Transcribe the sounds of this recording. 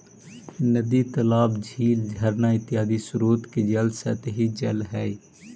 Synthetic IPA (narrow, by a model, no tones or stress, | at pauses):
nəd̪it̪əlaːbd͡ʒʱiːld͡ʒʱəɾnaːɪt̪ːɪjaːd̪isʊɾuːt̪ked͡ʒəlsə̰t̪ɦid͡ʒəlɦɛːi